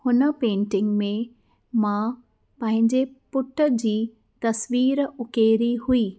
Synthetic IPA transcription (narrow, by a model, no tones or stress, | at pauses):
hʊnəpẽːɳʈɪ̃ŋɡmẽ | mã | pɐ̃ɦɪ̃ɲd͡ʑepʊʈʰəd͡ʑiː | t̪ɐsʋiːɾʊkeːɾihuiː